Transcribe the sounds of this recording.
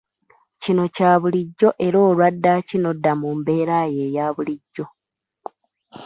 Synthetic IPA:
cino̞caːβuliɟːo̞ʔe̞ɾo̞ːlwadːacinodːamumbe̞ːɾaje̞ːjaːβuliɟːo̞

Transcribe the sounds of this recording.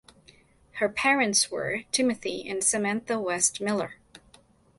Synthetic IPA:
hə˞pʰɛɹɨ̃ntswə̰˞tʰɪ̃mɨθiɨ̰̃nsɨmɛ̃nθəwɛstmɪlˠə˞

